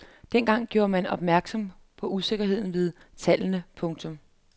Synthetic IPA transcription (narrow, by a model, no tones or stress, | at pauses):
d̥enɡ̥ɑ̈ŋ̰ɡ̥jo̝ːɐmænɒ̽b̥mæɐɡ̥sɒ̽m | pʰɒ̽ʔuse̝ɡ̥ɐɦe̝ð̰ˠn̩ʋe̝ð̞ˠ | t͡sʰælənəpʰɔ̽ŋt͡sʰɔ̽m